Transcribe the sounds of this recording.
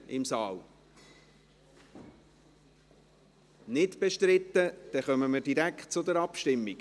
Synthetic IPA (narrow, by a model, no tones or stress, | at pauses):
ɪmsɑːl | nɪtb̥eʃtɾɪt̪ːəd̥ɛχœməməɾdiɾæktt͡sʊdəɾɑpʃtɪmːiɡ